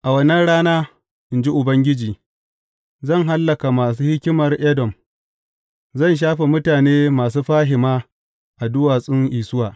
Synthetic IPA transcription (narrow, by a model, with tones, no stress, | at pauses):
ʔa˨wɐ˦nɐ˦nɽaː˦naː˦ | ʔɪ˨nd͡ʒi˦ʔʊ˨bɐ˦ŋɡʲɪ˦d͡ʒiː˨ | zɐ˦˨ŋɦa˦lːɐ˨ka˨maː˨s̬uː˦hɪ˦kʲɪ˦mɐ˨rʔɛ˦dɔ˨m | zɐ˦˨nʃ̬aː˦ɸe˨mʊ˦taː˨neː˦maː˨s̬uː˦ɸaː˦ɦɪ˨maː˦ | ʔa˨dʊ˦waː˨sʼɪ˦ŋʔiː˨sʊ˦waː˨